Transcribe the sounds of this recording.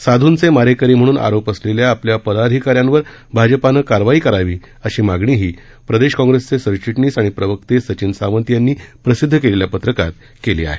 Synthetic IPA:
sad̪ʱuːnt͡semaɾekəɾiːm̤əɽ̃uːnʔa̰ɾopəsleljaːpljapəlad̪ʱikaɾjãnʋəɾ | bʱad͡ʑəpanəkaɾʋaiːkəɾaʋiː | əɕiːmaɡɳiːɦiː | pɾəd̪eɕkɔ̃ŋɡɾest͡sesəɾt͡ɕiʈniːsaɽ̃ipɾəʋək̚t̪esət͡ɕinsaʋənt̪janːiːpɾəsid̪ʱːəkeleljapət̪ɾəkat̪ | kelḛːa̰ɦe

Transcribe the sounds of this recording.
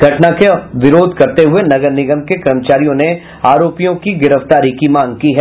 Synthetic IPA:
ɡʱɐʈnakeʋɪɾoːd̪ʱkɐɾt̪eɦʊenɐɡəɾnɪɡəmkekɾəmət͡ʃaːɾijõne | aːɾoːpijõkiɡɪɾəft̪aːɾikimãːŋɡ̚kiɦɛː

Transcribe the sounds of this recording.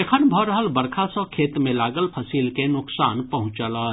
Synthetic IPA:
ekʰənbʱɔːɾəɦəlbəɾkʰasɔ̃kʰeːt̪mẽlaːɡəlpʰəsiːlkenʊksaːnpəɦʊ̃t͡ʃəlaː

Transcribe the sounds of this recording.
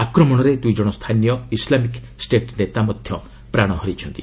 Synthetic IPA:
akɾɔmɔɽ̃ɔɾed̪ujd͡ʒɔɽ̃ɔst̪ʰanijɔislamik | sʈeʈnet̪amɔd̪ʱjɔ | pɾaɽ̃ɔɦɔɾit͡ʃʰɔnt̪i

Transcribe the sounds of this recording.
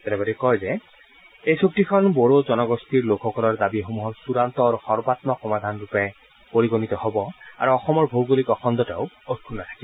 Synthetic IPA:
ɛtɛbaɾekɔjzɛ | ejsok̚tikʰɔnboɹozɔnɔɡostiɹlokʰxɔkɔlɔɹd̪abixomuɦɔɹsuɹant̪ɔɹuxɔɹbat̪mɔxɔmad̪ʱanɹupɛ | poɹiɡonit̪ɔhɔbɔa̰ɹuɔxɔmɔɹbʱowɡolikɔxɔnd̪ɔtɛ̰ʊ | ot̚kʰunːat̪ʰḁkibɔ

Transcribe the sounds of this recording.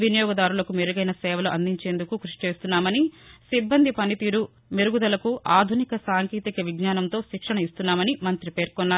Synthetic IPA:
ʋinɐjɔːɡɐd̪aːɾulɐkumeɾuɡɐjnɐsɛːʋɐluʔɐnd̪iɲt͡ʃe̞ːnd̪ukukɾuʂi̥t͡ʃe̞ːst̪unːaːmɐnisibːɐnd̪ʱipɐnit̪iːɾu | meɾuɡud̪ɐlɐkuʔaːd̪ʱunikɐsaːŋkiːt̪ikɐʋiɡnaːnɐnt̪o̞ːʃikʂɐɳɐist̪unːaːmɐnimɐnt̪ɾipe̞ːɾkɔnːaː

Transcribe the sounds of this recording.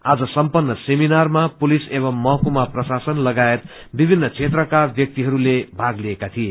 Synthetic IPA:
ad͡zʌsʌmpʌnːʌseminarmapulisebʌmːʌɦkumaprʌsasʌnlʌɡaet̪ | bibʱinːʌt͡sʰet̪rʌkabjʌk̚t̪iɦʌɾulebʱaɡliekat̪ʰie

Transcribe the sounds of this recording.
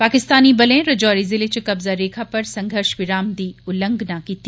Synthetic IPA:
paːkɪst̪aːnibɐlẽɾɐd͡ʑɔːɾizɪlet͡ɕkɐbzaɾeːkʰapɐɾsɐ̃ŋɡʱəɾʃʋɪɾaːmd̪iːʊlə̃ŋɡnakit̪i

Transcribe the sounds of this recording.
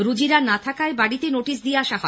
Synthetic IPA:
ɾud͡ʑiɾanat̪ʰakaebaɽit̪enoʈis̬d̪ieaʃaɦɔ

